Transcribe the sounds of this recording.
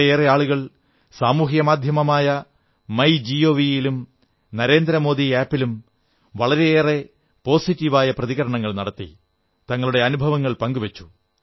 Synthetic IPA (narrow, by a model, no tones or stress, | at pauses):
eːreaːɭuɣɐɭ | saːmuːɦjɐmaːd̪ʱjɐmɐmaːjɐ | mɐjd͡ʑio̞ːʋijilum | nɐɾe̞ːnd̪ɾɐmo̞ːd̪iaːpːilum | ʋɐɭɐɾe̞eːre̞ | po̞ːsitːiʋaːjɐprɐðiɣɐɾɐɳɐŋːɐɭnɐɽɐt̪ːḭ | t̪ɐŋːɐɭuɽe̞ɐnubʱɐʋɐŋːɐɭpɐŋɡuʋɐt͡ɕːu̥